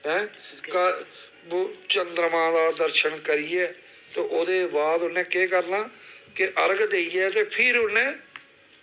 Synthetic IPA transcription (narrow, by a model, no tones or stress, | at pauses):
ɦɛ̃ːkə | bt͡ʃənd̪ɾmãːd̪aːd̪əɾʃənkəɾiːɛː | t̪eːʔoːd̪eːbaːd̪ʊnẽːkeːkəɾnaːkɪʔəɾɡd̪eːijɛːt̪eːpʰɪɾʊnẽː